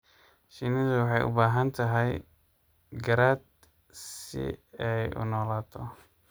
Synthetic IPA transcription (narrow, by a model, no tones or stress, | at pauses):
ʃinɪðʊwɑħɑjʔʊ̰baːɦɐnt̪ʰɐɦɛj | ɡɐɾaːd̪̚ | sɪ̰ɛjʔʊ̰nɔːlaːt̪ʰɔ